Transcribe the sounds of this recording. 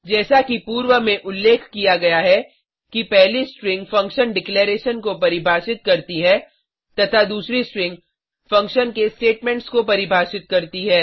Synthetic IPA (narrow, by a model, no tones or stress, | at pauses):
d͡ʒɛːsakipuːɾwəmẽʔʊlːeːkʰkijaɡɐjaɦɛ | kipɛɦlisʈɾɪ̃ŋɡfɐ̃ŋkʃənɖɪkleːɾeːʃənkopɐɾɪbʱaːʃɪt̪̚kɐɾt̪iɦɛː | t̪ɐt̪ʰad̪uːsɾisʈɾɪ̃ŋɡ | fɐ̃ŋkʃənkesʈeːʈmɛ̃ɳʈskopɐɾɪbʱaːʃɪt̪kɐɾt̪iɦɛː